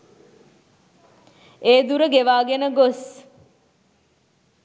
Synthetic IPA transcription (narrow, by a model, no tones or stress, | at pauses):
eːd̪uɾəɡeʋaːɡenəɡos